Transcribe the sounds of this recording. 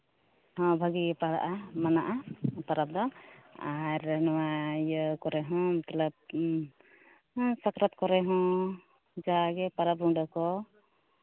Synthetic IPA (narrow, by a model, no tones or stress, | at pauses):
hɔ̃bʱaɡipaɽa̰ʔamanaʔapaɾap̚d̪ɔaɾnɔwajəkɔɾɛɦɔ̃mət̪alab̚ | sakɾɔt̪̚kɔɾɛɦɔ̃ | d͡ʒaɡɛpaɾap̚ɾuŋɖakɔ